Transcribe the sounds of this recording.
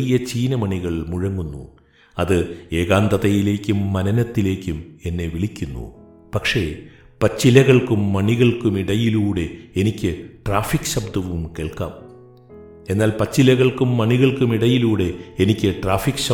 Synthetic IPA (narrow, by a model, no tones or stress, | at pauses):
ijɐt͡ɕiːnɐmɐɳiɣɐɭmuɻɐŋːunːṵ | ɐðɨe̞ːɣaːnd̪ɐðɐjile̞ːkʲːumːɐnɐnɐt̪ːile̞ːkʲːume̞nːe̞ʋiɭikʲːunːṵ | pɐkʂeː | pɐt͡ɕːilɐɣɐɭkumːɐɳiɣɐɭkumiɽɐjiluːɽe̞enikʲːɨʈraːfikːɕɐbd̪ɐʋumkeːɭka̰ːm | e̞nːaːlpɐt͡ɕːilɐɣɐɭkumːɐɳiɣɐɭkumiɽɐjiluːɽe̞enikʲːɨʈraːfikːɕɐ